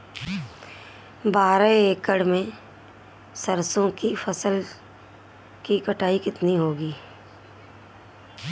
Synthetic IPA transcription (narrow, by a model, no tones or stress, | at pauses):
baːɾeeːkːəɽmẽ | səɾsõkifəsəl | kikɐʈaːikɪt̪niɦoːɡiː